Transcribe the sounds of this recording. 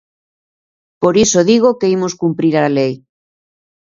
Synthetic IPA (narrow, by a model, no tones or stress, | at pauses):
poɾisoðiɣ̞okeimoskumpɾiɾalej